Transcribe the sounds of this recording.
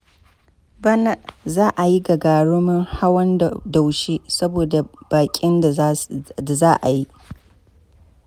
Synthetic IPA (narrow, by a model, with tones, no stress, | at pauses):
bɐ˦na˦ʔzaː˦ʔa˨ji˦ɡɐ˨ɡaː˨ɽʊ˦mʊ˦ŋha˦wɐ˦n˨da˨wʃiː˦sɐ˦boː˨da˨b̥aː˨kʲʼɪ˦nda˨da˨zaː˦ʔa˨ji˦ʔ